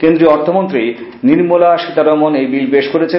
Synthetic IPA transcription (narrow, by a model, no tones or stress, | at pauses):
kend̪ɾiɔɾt̪ʰomont̪ɾiniɾmolaʃit̪aɾɔmonejbilbeʃkoɾet͡ɕʰe